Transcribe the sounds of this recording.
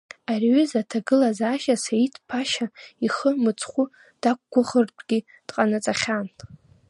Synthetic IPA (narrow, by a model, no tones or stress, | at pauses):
arɥʏzatʰaɡɨlazaːʃasaitʰpʰaʃaiχəmɨt͡sʰʼχʷu | d̥akʷːʊχərtʷʰʼɡʲi | d̥qʼanɨt͡sʼaχʲan